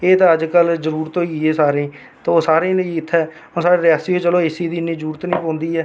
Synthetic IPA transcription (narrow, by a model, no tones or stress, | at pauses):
eːt̪ãːəd͡ʒkəlzəɾuːɾt̪õːiːeːsaːɾẽː | t̪ãːoːsaːɾẽːləiɪt̪ʰːɛː | õːsaːɾeːɾɪjaːsiːoːt͡ʃəloːɪsiːd̪iːnĩːzəɾuːɾət̪nĩːpõːnd̪iːɛː